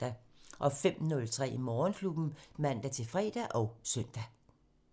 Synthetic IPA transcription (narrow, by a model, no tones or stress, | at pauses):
d̥æʔɒ̽fem̰nɔ̽lt͡sʰʁɛ̰ːʔimɒːnkʰlub̥n̩mæn̰d̥æt͡sʰe̝lfʁɛ̰ːd̥æʔɒʊsœn̰d̥æ